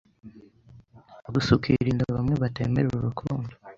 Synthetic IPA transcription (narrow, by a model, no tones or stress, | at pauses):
aɡusukʰiɾiːndaβamŋe̞βatḛːme̞ɾuuɾukʰuːndo̥